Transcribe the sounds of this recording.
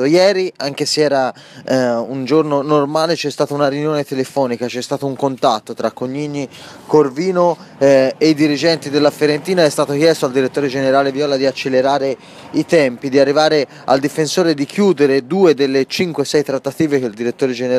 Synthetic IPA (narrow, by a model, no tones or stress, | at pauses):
jɛːɾiaŋk̟eseɛːɾa | und͡ʒornonormaːlet͡ʃɛst̪aːt̪ounaɾjunjoːnet̪elefɔːnikat͡ʃɛst̪aːt̪ouŋkont̪at̪ːot̪ɾakːoɲːiːni | korviːno | eid̪iɾid͡ʒɛnt̪id̪elːafeɾent̪iːnaɛst̪aːt̪ok̟jɛst̪oald̪iɾet̪ːoːɾed͡ʒeneɾaːlevjɔːlad̪iat͡ʃːelːeɾaːɾe | it̪ɛmpid̪iarːivaːɾe | a̰ld̪ifensoːɾed̪ikjuːd̪eɾed̪uːed̪elːet͡ʃiŋkwesɛjt̪ɾat̪ːat̪iːvekeld̪iɾet̪ːoːɾed͡ʒen